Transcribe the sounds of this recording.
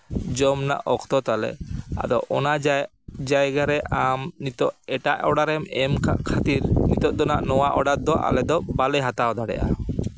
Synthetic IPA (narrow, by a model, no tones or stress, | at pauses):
d͡ʒɔmna̰ʔɔkʰt̪ɔt̪alɛ̰a̰d̪ɔʔɔna | d͡ʒajɡaɾɛʔamnit̪ɔʔɛʈa̰ʔɔɽaɾɛmɛmkʰat̪iɾnit̪ɔʔ̚d̪ɔnaʔnɔwaʔɔɖat̪̚d̪ɔʔa̰lɛd̪ɔbalɛɦat̪awd̪aɽɛ̰ʔa̰